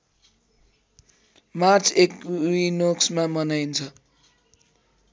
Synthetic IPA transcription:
mart͡sʰekinoksmamʌnajnt͡sʰʌ

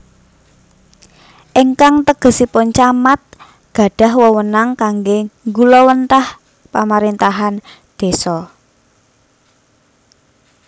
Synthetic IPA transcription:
ʔiŋkaŋt̪əɡ̥ə̤sipʊnt͡ʃamat̪̚ | ɡ̥a̤ɖ̥a̤ɦwɔwənaŋkaŋɡeŋɡulɔwənt̪ah | pamaɾint̪aɦan | d̪̥e̤sɔ

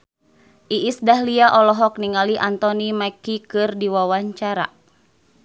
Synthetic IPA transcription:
ʔiʔːsdaɦliaʔɔlɔɦɔk̚niŋaliʔant̪ɔnimajkikɨrdiwawaɲt͡ʃaɾa̰

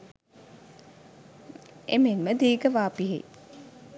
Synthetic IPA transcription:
emenməd̪iːɡəʋaːpiɦḛ

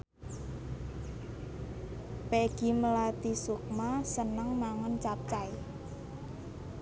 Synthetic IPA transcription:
peɡ̥i̤məlat̪isuk̚masənəŋmaŋənt͡ʃap̚t͡ʃai

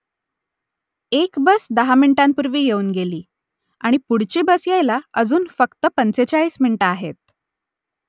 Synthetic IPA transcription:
ekbəsd̪əɦamiɳʈampuɾʋiːjeuːnɡeliː | aɽ̃ipuɽ̤t͡ɕiːbəsjejlaəd͡zuːnfəkt̪əpənt͡set͡ɕaiːsmiɳʈaːɦḛt̪̚

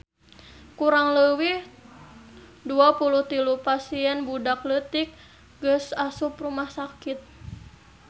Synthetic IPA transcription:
kuɾaŋləwih | duapuluht̪ilupasiɛnbudaklət̪ik̚ | ɡəsasuprumahsakit̪̚

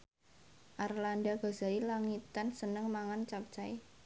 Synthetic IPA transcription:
ʔarlandaɡ̥a̤saɾilaŋit̪ansənəŋmaŋant͡ʃak̚t͡ʃaj

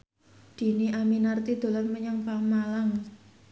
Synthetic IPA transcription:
d̪̥i̤niʔaminart̪id̪̥o̤lanməɲaŋpamalaŋ

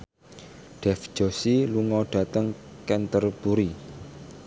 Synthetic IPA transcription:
ɖ̥ɛfd͡ʒ̥osiluŋɔɖ̥a̤t̪əŋkɛnt̪ərb̥uɾi

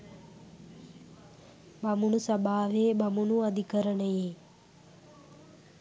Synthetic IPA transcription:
bɐmunusɐbaːʋeːbamunuad̪ʱikəɾəɳəji

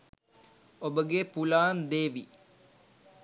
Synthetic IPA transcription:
obəɡepulaːnd̪eːʋi

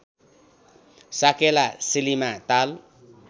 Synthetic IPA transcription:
sakelasilimat̪al

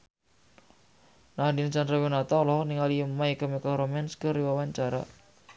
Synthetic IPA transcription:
nahdint͡ʃanɾawinat̪ɔlɔhniŋaliəmːaikamikaɾomɛnskəriwawaɲt͡ʃaɾa̰

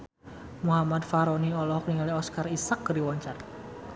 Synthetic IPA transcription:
muɦamad̪faɾɔniɔlɔhkniŋaliɔskarisak̚ɡəɾiwɔɲt͡ʃar

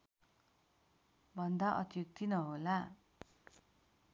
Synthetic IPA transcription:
bʱʌnd̪aʔʌt̪juk̚t̪inʌɦola

